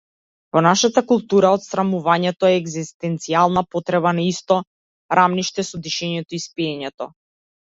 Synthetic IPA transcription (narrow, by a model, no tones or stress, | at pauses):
vɔnaʃat̪akulˠt̪uɾaɔt̪sɾamuvaɲɛt̪ɔɛːɡzist̪ɛnt̪sialˠnapɔt̪ɾɛβanaist̪ɔ | ɾʔamniʃt̪ɛsɔd̪iʃɛɲɛt̪ɔispiɛɲɛt̪ɔ̰